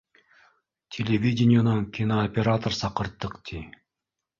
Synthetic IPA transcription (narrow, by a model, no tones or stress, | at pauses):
tʲʰelʲevʲidʲɪnʲɪjanoŋkʲinoopʲeɾat̪orsɑqɯɾt̪ːɯqt̪ʰʲi